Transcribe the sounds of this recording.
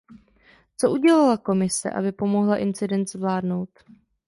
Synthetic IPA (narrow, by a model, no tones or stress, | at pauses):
t͡so̞ʔuɟɛlalako̞mɪsɛ̰ʔa̰bɪpo̞mo̞ɦlaʔɪnt͡sɪdɛnt̪zvlaːdno̞wt̪